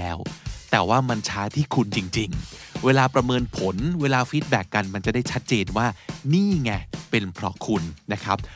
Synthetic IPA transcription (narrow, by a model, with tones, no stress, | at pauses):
ɛː˦˥wt̪ɛː˨˩waː˥˩ma˧nt͡ɕʰaː˦˥t̪ʰiː˥˩kʰu˧nt͡ɕi˧ŋt͡ɕi˧ŋweː˧laː˧pɾa˧mɤː˧npʰo˩˦nweː˧laː˧fi˦˥t̪̚bɛː˨˩kːa˧nma˧nt͡ɕa˨˩da˥˩jt͡ɕʰa˦˥t̪̚t͡ɕeː˧nwaː˥˩niː˥˩ŋɛ˧˩pe˧npʰɾɔ˦˥kʰu˧nːa˦˥kʰɾa˦˥p̚